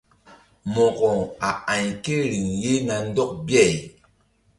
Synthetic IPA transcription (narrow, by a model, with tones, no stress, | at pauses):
mɔ˨kɔ˨ŋa˨a˨ɲke˦ɾi˨ŋje˦ŋa˨n̩˦dɔ˦k̚bjɛ˦˨j